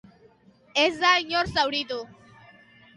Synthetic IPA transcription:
ezd̪aiɲoɾsawɽit̪u

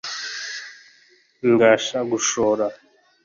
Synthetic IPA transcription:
ŋɡaʃaɡuʃɔːɾa

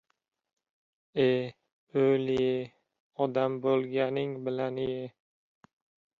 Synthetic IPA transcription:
e | ojlɪjɪ | ɒd̪ambolˠɡʲanɪŋbɪlanɪjɪ

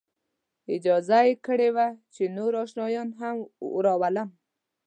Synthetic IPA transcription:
ɪd͡ʒɑzajekəɽewat͡ʃenoɾɑʃnɑjɑnɦam̰ɾɑwaləm

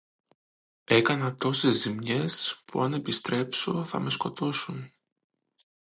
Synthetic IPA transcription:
e̞kɐnɐt̪o̞se̞zːimɲe̞spṵɐne̞pist̪ɾe̞pso̞θɐ̰me̞sko̞t̪o̞sun

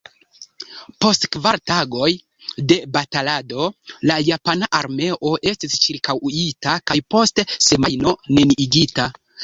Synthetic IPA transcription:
po̞stkvaɾtaɡo̞j | de̞batalado̞lajapanaʔaɾme̞ʔo̞ʔe̞stist͡ʃiɾkawuitakajpo̞stse̞majno̞ne̞niʔiɡita

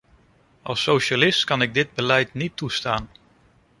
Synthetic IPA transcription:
ʔɑlˠsowʃalɪstkɑnɪɡ̚dɪd̚bəlɛjtnitʰːustaːn

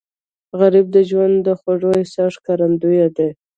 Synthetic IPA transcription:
ɣaɾib̚d̪əʒwand̪d̪ːəxaʐoɪsɑʂkaɾand̪ujad̪e

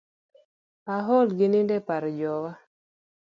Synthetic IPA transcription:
aɦɔlɡɪnɪndɛpaɾd͡ʒɔwa

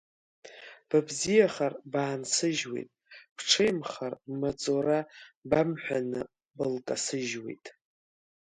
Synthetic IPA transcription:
b̥abzijaχarbaːnsɨʒwe̞̰jtʼb̥ʰʈ͡ʂʰejmχarmat͡sʼoɾabamħʷᶣanɨ | bɨlkʼasɨʒwe̞̰jtʼ

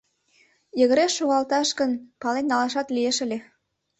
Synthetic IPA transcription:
jə̆ɣə̆ɾeʃːoɣɑlt̪ɑʃkənpɑlenːɑlɑʃɑt̪lieʃə̆lʲe

